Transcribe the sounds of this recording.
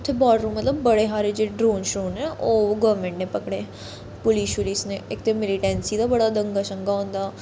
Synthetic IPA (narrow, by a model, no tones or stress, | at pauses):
t̪ʰːebaːɽɾũːmət̪ləbːəɽeːɦaːɾed͡ʒeːɖɾoːnʃɾoːnɦɛ̃ːʔoːɡəːʋmẽːɳʈnẽːpəkɽeː | pʊliːʃʊliːsnẽːɪk̚t̪emɪliʈɛ̃ːnsiːd̪aːbəɽaːd̪ə̃ŋɡaːʃə̃ŋɡaːɦõːnd̪aː